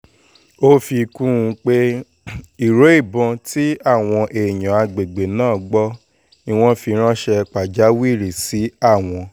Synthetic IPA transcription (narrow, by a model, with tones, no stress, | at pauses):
o˦fi˧kũ˦ũ˧k͡pe˦ | i˦˨ɾo˨˦i˦˨bɔ̃˧ti˦a˦˨w̃ɔ̃˧ʔe˨j̃ã˨a˧ɡ͡be˨ɡ͡be˨nãː˦˨ɡ͡bɔ˦ | ĩ˦˧w̃ɔ̃˧fi˧ɾ̃ã˦ʃɛ˧k͡pa˨d͡ʒa˨˦wi˦˨ɾi˨si˨˦a˦˨w̃ɔ̃˧